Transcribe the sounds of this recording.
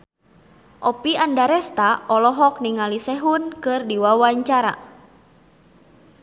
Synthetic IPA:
ʔɔpiandaɾɛst̪aɔlɔɦɔk̚niŋalisɛɦunkɨrdiwawaɲt͡ʃaɾa̰

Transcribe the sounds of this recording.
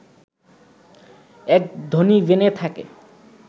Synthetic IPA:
ɛk̚d̪ʱonibenet̪ʰakḛ

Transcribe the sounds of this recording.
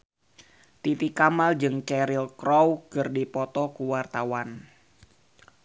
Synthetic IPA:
t̪it̪ikamald͡ʒɨŋt͡ʃɛɾɪlkɾɔwkɨrdipɔt̪ɔkuwart̪awan

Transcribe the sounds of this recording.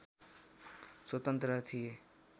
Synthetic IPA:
swət̪ənt̪ɾət̪ʰije

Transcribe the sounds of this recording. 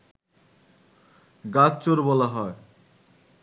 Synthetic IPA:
ɡatt͡ɕoɾbɔlaɦɔe

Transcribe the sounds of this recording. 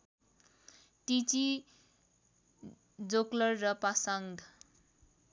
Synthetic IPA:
ʈit͡si | d͡zoklʌrːʌpasʌŋɡʱ

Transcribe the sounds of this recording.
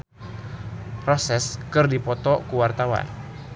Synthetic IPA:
rɔsɛskɨrdipɔt̪ɔkuwart̪awa̰n

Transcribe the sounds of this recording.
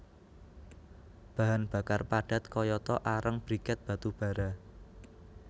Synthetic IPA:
b̥ä̤ɦanb̥a̤karpaɖ̥a̤t̪kɔjɔt̪ɔʔaɾəŋb̥ɾikət̪̚b̥a̤t̪ub̥a̤ɾa

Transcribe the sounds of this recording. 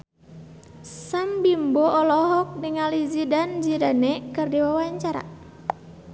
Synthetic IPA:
sambimbɔɔlɔɦɔk̚niŋalizidand͡ʒidanɛkɨrdiwawaɲt͡ʃaɾa̰

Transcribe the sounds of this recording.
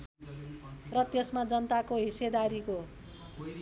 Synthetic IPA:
rʌt̪esmad͡zʌnt̪akoɦised̪aɾiko

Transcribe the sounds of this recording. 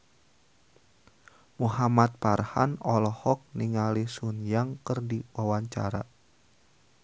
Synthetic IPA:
muɦamat̪̚parha̰nɔlɔhɔk̚niŋalisunjaŋkərdiwawaɲt͡ʃa̰ɾa

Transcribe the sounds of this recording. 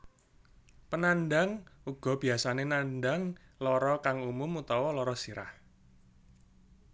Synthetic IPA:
pənanɖaŋuɡ̥ɔ̤b̥i̤asanenanɖaŋlɔɾɔkaŋumʊmut̪ɔwɔlɔɾɔsiɾa̰h

